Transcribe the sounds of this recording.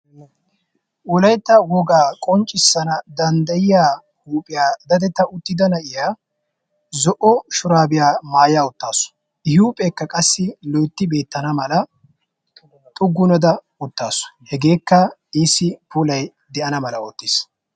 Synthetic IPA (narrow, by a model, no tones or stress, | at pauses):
ʔɔlɐjt̪ːɐwɔɡaːkʼɔnt͡ʃʼɪsːɐnɐd̪ɐnd̪ɐjɪjaː | huːpʼɪjaːd̪ɐd̪ɛt̪ːɐʔʊt̪ːɪd̪ɐnɐʔɪjaː | zɔʔɔʃʊɾaːbɪjaːmaːjaːʊt̪ːaːsʊ̥ | ɪhuːpʼekːɐkʼɐsːɪlɔjt̪ːɪbe̞ːt̪ːɐnɐmɐlɐ | t̪ʼʊɡːʊnɐd̪ɐ | ʊt̪ːaːsʊ̥hɛɡe̞ːkːɐɪsːɪpuːlɐj | d̪ɛʔɐnɐmɐlɐoːt̪ːɪs